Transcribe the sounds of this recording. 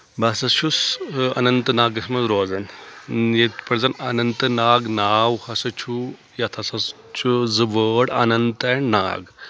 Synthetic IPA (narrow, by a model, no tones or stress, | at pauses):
baːsɐʃusɐ̰nɐnt̪ɨnaːɡɐsmɐzɾoːzɐnjet̪pɐɾzɐnɐnɐnt̪ɨnaːɡnaːwhɐsɐt͡ʃʰu | jat̪ʰɐsɐs | t͡ʃʰuzɨʋəːɽɐ̰nɐnt̪ɐɳna̰ːɡ